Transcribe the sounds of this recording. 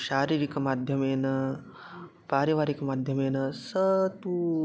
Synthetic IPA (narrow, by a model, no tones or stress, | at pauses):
ɕaɾiɾikɐmad̪ʱjɐmenɐ | paːɾiʋaɾikɐmad̪ʱjɐmenɐsət̪u